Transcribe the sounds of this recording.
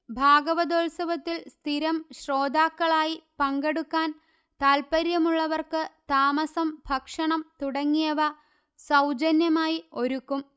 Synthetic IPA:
bʱaːɡɐʋɐd̪oːlsɐʋɐt̪ːilst̪ʰiɾɐmɕro̞ːd̪ʱaːkːɐɭaːjipɐŋɡeɽukːaːn | t̪aːlpɐɾjɐmuɭːɐʋɐrkɨt̪aːmɐsɐmbʱɐkʂɐɳɐmt̪uɽɐŋːijɐʋɐ | sɐwd͡ʑɐnjɐmaːjio̞ɾukːum

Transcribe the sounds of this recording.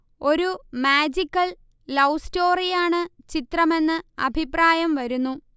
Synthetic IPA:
o̞ɾumaːd͡ʑikːɐl | lɐwsto̞ːrijaːɳɨ | t͡ɕit̪rɐme̞nːɨɐ̰bʱipraːjɐmʋɐɾunːu

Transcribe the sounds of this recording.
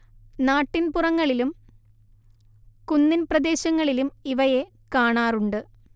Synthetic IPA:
naːʈːinpurɐŋːɐɭilum | kunːinprɐd̪e̞ːɕɐŋːɐɭilumiʋɐje̞ | kaːɳaːruɳɖɨ

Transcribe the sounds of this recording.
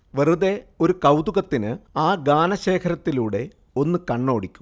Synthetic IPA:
ʋeruðe̞o̞ɾukɐwd̪uɣɐt̪ːinɨaːɡaːnɐɕe̞ːkʰɐɾɐt̪ːiluːɽe̞ | o̞nːɨkɐɳːo̞ːɽikʲːu̥m

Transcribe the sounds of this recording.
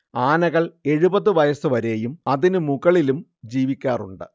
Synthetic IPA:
aːnɐɣɐɭe̞ɻubɐðːɨʋɐjɐsɨʋɐɾe̞ːjumɐðinɨmuɣɐɭilumd͡ʑiːʋikʲːaːrṵɳɖɨ̰

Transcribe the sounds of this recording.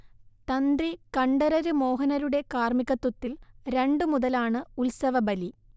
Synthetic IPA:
t̪ɐnd̪rikɐɳɖɐɾɐɾumo̞ːɦɐnɐɾuɽe̞kaːrmikʲːɐt̪ːut̪ːilɾe̞ɳɖɨmuðɐlaːɳɨulsɐʋɐbɐli

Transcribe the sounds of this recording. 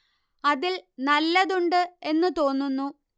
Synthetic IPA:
ɐðilnɐlːɐðuɳɖɨe̞nːɨt̪o̞ːnːunːu

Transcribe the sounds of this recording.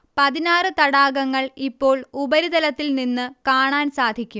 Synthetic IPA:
pɐðinaːrɨt̪ɐɽaːɡɐŋːɐɭipːo̞ːɭubɐɾid̪ɐlɐt̪ːilninːɨkaːɳaːnsaːd̪ʱikʲːum

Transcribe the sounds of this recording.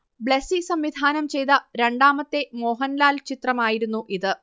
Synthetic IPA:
bɭesisɐmʋid̪ʱaːnɐmt͡ɕe̞jt̪ɐɾe̞ɳɖaːmɐt̪ːe̞mo̞ːɦɐnlaːlt͡ɕit̪rɐmaːjiɾunːuʔiðɨ

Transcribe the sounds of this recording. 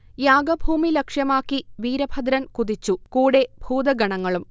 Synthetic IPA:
jaːɡɐbʱuːmilɐkʂjɐmaːkːiʋiːɾɐbʱɐd̪ɾɐnkuðit͡ɕːukuːɽe̞bʱuːd̪ɐɡɐɳɐŋːɐɭum

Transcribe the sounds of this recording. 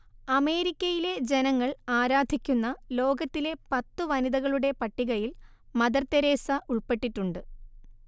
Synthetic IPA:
ɐme̞ːɾikʲːɐjile̞d͡ʑe̞nɐŋːɐɭaːɾaːd̪ʱikʲːunːɐlo̞ːɡɐt̪ːile̞pɐt̪ːɨʋɐniðɐɣɐɭuɽe̞pɐʈːiɣɐjil | mɐd̪ɐrt̪ːɐɾe̞ːsɐʔuɭpe̞ʈːiʈːuɳɖɨ

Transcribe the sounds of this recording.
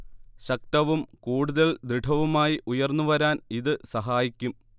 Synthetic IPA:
ɕɐk̚t̪ɐʋumkuːɽuðɐɭd̪ɾiɖʰʱɐʋumaːjiʔujɐrnːuʋɐɾaːniðɨsɐɦaːjikʲːum

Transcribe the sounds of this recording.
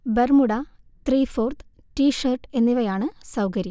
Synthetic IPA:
bermuɽɐ | t̪riːfoːrt̪ | ʈiːʂɐrʈe̞nːiʋɐjaːɳɨsɐwkɐɾi

